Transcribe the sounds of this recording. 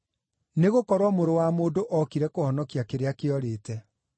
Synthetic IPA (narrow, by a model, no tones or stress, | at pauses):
neɣokɔɾwɔmoɾowamoːdoʔɔkiɾɛkohɔnɔkiakeɾeakeɔɾeːtɛ